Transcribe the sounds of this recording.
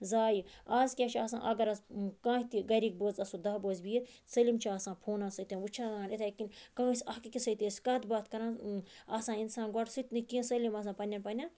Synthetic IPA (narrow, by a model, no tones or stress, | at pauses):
zaːjiazkʲat͡ʃʰiaːsã̰ːʔɐɡɐɾɐzkãːit̪iɡɐɾiːk̚boːzɐsud̪ɐboːzbiːɾsɐlimt͡ʃʰiaːsãːpʰoːnaːsɐt̪ẽnut͡ʃʰaːɡãːnet̪ʰakinʲkãːsʲɐkikʲisɐt̪eːsʲkɐd̪baːt̪kɐɾãːnaːsãːinsaːnɡɔʈʰsɨt̪ʲnɨkĩːsɐlʲimɐs̬ãːpɐnʲːɐnpɐnʲːan